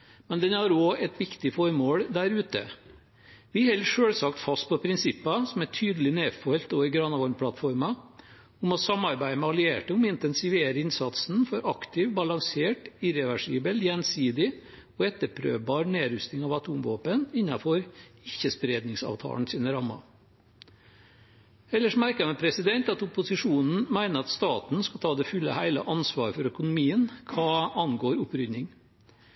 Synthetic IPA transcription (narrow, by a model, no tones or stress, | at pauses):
mɛnd̪ɛnhɑɾoːɛt̪ʋɪkt̪ɪfɔɾmoːɽd̪æɾʉːt̪ə̰ | ʋɪhɛlʂøːɽsɑkt̪fɑst̪̚pʰɔpʰɾɪnsɪpːɑsɔmæʈʰyːd̪əlɪneːfɔlt̪oɪɡɾɑnɑʋɔɾmpʰlɑt̪fɔɾmɑ | ʊmɔsɑmɑɾbæɪəmɛɑlɪeːʈəʊmɪnt̪ɛnsɪʋeːɾəɪnsɑt̪sn̩fɔɾɑkt̪ɪʋbɑlɑŋseːʈɪɾɛʋæʂiːbəljɛnsiːd̪ɪ | ɔɛt̪ːəɾpʰɾø̰ːʋbɑːɾneːɾʉst̪ɪŋɑʋɑt̪ʰuːmʋo̰ːpənɪnːɑfɔɾɪçːəspɾeːd̪nɪŋsɑ̰ːʋt̪ʰɑ̰ːɳ̩siːnəɾɑmːɑ̰ | ɛlːəʂmæɾkəmɛpʰɾɛsɪd̪ɛnt̪ɑt̪ʊpʊsɪʂuːnn̩mæɪnəɾɑt̪st̪ɑːt̪n̩skɑt̪ʰɑːd̪ɛfʉlːə̰hæɪlə̰ʔɑnsʋɑːɾfɔɾœkʊnʊmiːənkʰɑːɑnɡoːɾʊpɾʏnːɪŋ